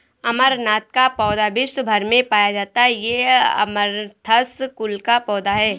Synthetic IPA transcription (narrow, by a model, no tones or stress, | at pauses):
ɐməɾnaːt̪̚kapɔːd̪abɪsbʱɐɾmẽpaːjad͡ʒaːt̪aɦɛjeɐ̰məɾt̪ʰɐskʊlkapɔːd̪aɦɛː